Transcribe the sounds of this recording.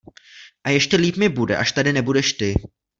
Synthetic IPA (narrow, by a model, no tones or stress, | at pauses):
ʔajɛʃcɛliːpmɪbudɛ̰ʔaʃt̪adɪnɛbudɛʃt̪ɪ